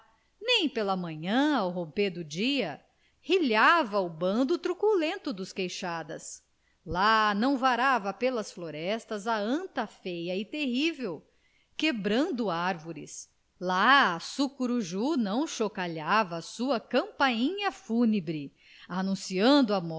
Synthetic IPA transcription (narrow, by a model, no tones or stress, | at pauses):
nẽj̃pelɐmɐ̃ɲɐ̃awɦõped̪ʊd͡ʒiɐ | hiʎavɐʊbɐ̃nd̪ʊt̪ɾukulẽnt̪ʊd̪ʊskejʃad̪ɐs | lanɐ̃w̃vaɾavɐpelɐsfloɾɛst̪ɐzɐɐ̃nt̪ɐfejɐɪt̪eɦivew | kebɾɐ̃nd̪ʊaɾvoɾɪ̰s | laːsukuɾuʒunɐ̃w̃ʃokaʎavɐːsuɐkɐ̃mpaĩɲɐfunebɾɪ | anũsiɐ̃nd̪ʊɐmɔ